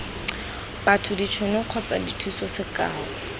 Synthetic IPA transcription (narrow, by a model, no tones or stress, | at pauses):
batʰʊdit͡ʃʰwenʊq͡χʰɔt͡sa̰ditʰuisɔsɪka̰ːɔ